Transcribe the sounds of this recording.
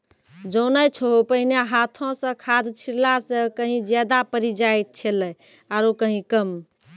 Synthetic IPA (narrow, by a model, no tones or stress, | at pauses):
d͡ʒonəjt͡ʃʰoɦopəɦinjaɦat̪ʰõsə̃kʰad̪t͡ʃʰiɾlasə̃kəɦĩd͡ʒjad̪apəɾid͡ʒajt̪̚t͡ʃʰelə | aɾokəɦĩkəm